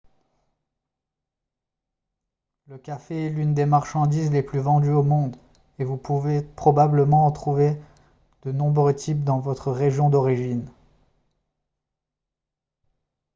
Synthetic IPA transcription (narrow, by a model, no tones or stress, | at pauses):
ləkafeɛlynd̪emaʁʃɑ̃d̪izleplyvɑ̃d̪yomɔ̃d̪ | evupuvepχɔbabləmɑ̃ɑt̪χuve | d̪̥ənɔ̃bʁøt̪ip̚d̪ɑ̃vɔt̪χəʁeʒjɔ̃d̪ɔʁiʒin